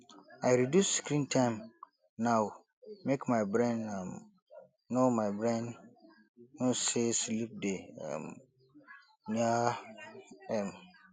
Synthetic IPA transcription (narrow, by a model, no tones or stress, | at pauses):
aɪɾidjusːkɾĩntʰãɪ̃m | nãw | mekmãɪbɾɛ̃nãm | nomãɪbɾɛ̃n | õseslip̚deɛ̰m | nĩa | ɛ̃m